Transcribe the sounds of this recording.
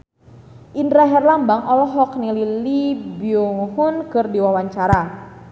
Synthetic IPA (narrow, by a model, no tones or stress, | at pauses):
ʔindɾaɦɛrlambaŋɔlɔɦɔknililibiuŋhunkɨrdiwawaɲt͡ʃaɾa